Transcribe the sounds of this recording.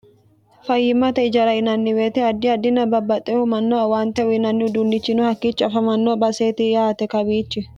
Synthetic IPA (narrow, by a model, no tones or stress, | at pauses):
fɐjːɪmːɐt̪ɐɪd͡ʒɐɾɐɪnɐnːɪweːt̪ɛɐd̪ːɪɐd̪ːɪnɐbɐbːɐt̪ʼːɛhʊmɐnːoːɐwaːnt̪ɛʊɪnɐnːɪʊd̪ʊnːɪt͡ʃːɪnʊhɐkːiːt͡ʃːɐfɐmɐnːoːbɐseːt̪ɪjaːt̪ɛkɐbiːt͡ʃːɪ